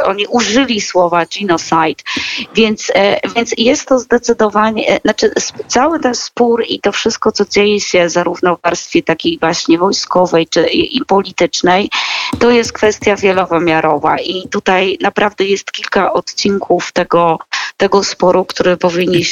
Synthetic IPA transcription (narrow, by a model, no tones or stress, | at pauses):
ʔɔɲiʔuʐɘlʲiswɔvad͡ʑinɔsajt̪vʲjɛnt̪svʲjɛnt̪sjɛst̪ːɔzd̪ɛt̪sɘd̪ɔvaɲɛ̰nat͡ʂɘst̪sawɘt̪ɛnspuɾit̪ɔfʂɘst̪̚kɔt̪sɔd͡ʑejɛɕɛzaɾuvnɔvaɾst̪fʲjɛt̪akʲejvwaɕɲɛvɔjskɔvɛjt͡ʂɘʔipɔlʲit̪ɘt͡ʂnɛjt̪ɔjɛst̪̚kfɛst̪ʲjavʲjɛlɔvɘmʲjaɾɔva̰ʔit̪ut̪ajnapɾavd̪ɛjɛst̪kʲilkaʔɔt̪t͡ɕiŋkʰuft̪ɛɡɔt̪ɛɡɔspɔɾukt̪uɾɘpɔvʲiɲːiɕ